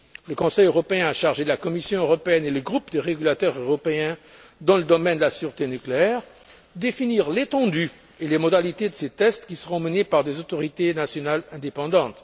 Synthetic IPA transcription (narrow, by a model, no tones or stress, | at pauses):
ləkɔ̃sɛjøʁɔpeɛ̃aʃaʁʒed̪əlakɔmisjɔ̃øʁɔpeɛneləɡʁupd̪əʁeɡʲylat̪œʁøʁɔpeɛ̃d̪ɑ̃ləd̪ɔmɛnd̪əlasyʁt̪enykleɛʁ | d̪efiniʁlet̪ɑ̃d̪y | elemɔd̪alit̪ed̪əset̪ɛst̪kʲisəʁɔ̃mənepaʁd̪ezot̪ɔʁit̪enasjɔnalɛ̃d̪epɑ̃d̪ɑ̃t̪